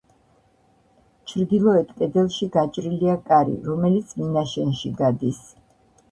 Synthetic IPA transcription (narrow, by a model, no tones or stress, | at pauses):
t͡ʃʰɾd̪ilˠɔɛt̪ʰkʼɛd̪ɛlˠʃiɡat͡ʃʼɾiliakʼaɾḭɾɔmɛlit̪sʰminaʃɛnʃiɡad̪is